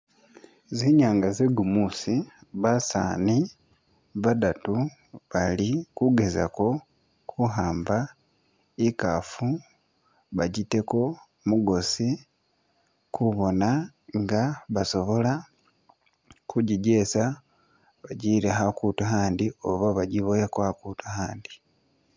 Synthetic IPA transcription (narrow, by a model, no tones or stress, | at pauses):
ziɲaːŋɡazeɡumusiβasa̰ːni | βadatu | βalikuɡe̞za̰ko̞ | kʰuɦaːmba | ikafu | βaɟite̞ko̞ | muɡo̞si | kʰuβo̞naŋɡaβaso̞βo̞la | kuɟiɟe̞sa | βaɟiɾeɦakutuɦaːndioβaβaɟiβojekwakutuhaːndi